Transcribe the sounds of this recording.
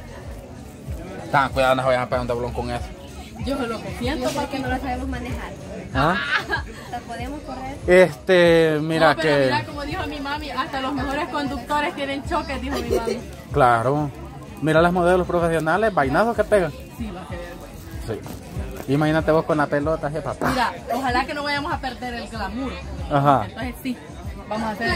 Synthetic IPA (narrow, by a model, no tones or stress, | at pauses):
t̪aŋkwiðaðonaβajaŋapeɣaɾund̪eβloŋkoŋeso̥ | d͡ʒolokesjenopoɾkenolosaβemozmanexaɾ | a | tapoðemoskoreɾest̪emiɾapkeɾakomoðixoamimamiast̪alozmexo̞ɾesko̞nd̪uk̚t̪o̞ɾest̪jenent͡ʃoked̪ixoamimami | klaɾo | miɾalasmoðelospɾofesjonale̞sbajnaðoske̞peɣaŋ | siβapee | si | imahinat̪eβoskonlapelot̪aɦepapaɾaoxalakenoβaʝamosape̞ɾd̪e̞ɾelɡlamuɾoaɦant̪onsessi | bamosaseɾ